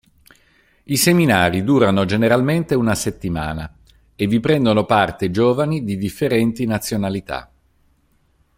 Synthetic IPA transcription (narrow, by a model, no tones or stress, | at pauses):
iseminaːɾid̪uːɾanod͡ʒeneɾalment̪eunaset̪ːima̰ːna | evipɾɛnd̪onopart̪ed͡ʒoːvanid̪id̪ifːeɾɛnt̪inat̪sːjonalit̪a̰